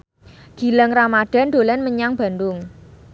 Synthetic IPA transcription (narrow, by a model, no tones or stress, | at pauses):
ɡ̥i̤ləŋramaɖ̥a̤nɖ̪̥o̤lɛnməɲaŋb̥a̤nd̪ʊŋ